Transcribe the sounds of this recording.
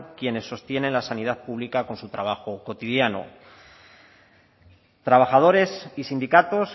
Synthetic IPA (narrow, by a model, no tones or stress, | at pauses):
kje̞ne̞sːo̞st̪je̞ne̞nlasanið̞aðpuβlikako̞nsut̪ɾaβ̞axo̞ko̞t̪iðjano̰ | t̪ɾaβ̞axað̞o̞ɾe̞sisind̪ikat̪o̞s